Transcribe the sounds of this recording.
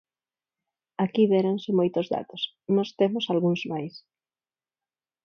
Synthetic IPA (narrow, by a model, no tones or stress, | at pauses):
akiðɛɾansɪmojt̪ozða̰t̪os | nɔst̪emʊsalɣuŋzmajs